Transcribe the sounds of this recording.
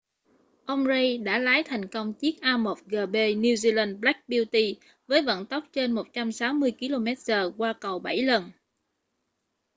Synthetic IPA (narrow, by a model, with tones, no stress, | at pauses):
ʔə˧wŋ͡mzə˧jɗa̰ː˧˥laː˨˦jt̪ʰɛ˨˩jŋ̟kə˧wŋ͡mt͡ɕi˦˥k̚ʔaː˧mo˨˩t̚ɣəː˨˩ɓe˧ni˧wzi˧la˧nɓla˦˥k̚ɓi˧wt̪i˧ | vəː˨˦jvə̰˧˨nt̪ə˦˥wk͡p̚t͡ɕe˧nmo˨˩t̚t͡ɕa˧msaː˨˦wmɨ˧əjki˧lo˧mɛ˦˥t̚zəː˨˩kwaː˧kə˨˩wɓa˧˩jlə˨˩n